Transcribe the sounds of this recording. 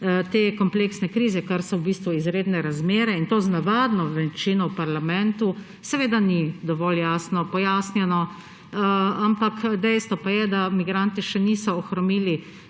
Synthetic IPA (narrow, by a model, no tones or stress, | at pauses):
t̪eːkɔmpleːksnɛkɾiːzɛkaɾsɔwbiːst̪ʋuizɾeːd̪nɛɾazmeːɾɛint̪oːznaʋaːd̪nɔʋɛt͡ʃinɔwpaɾlamɛnt̪u | sɛʋeːd̪anid̪ɔʋɔljaːsnɔpɔjaːsnjɛnɔ | ampakd̪ɛjst̪ʋɔpajɛd̪amiɡɾant̪iʃɛnisɔːxɾɔmiːli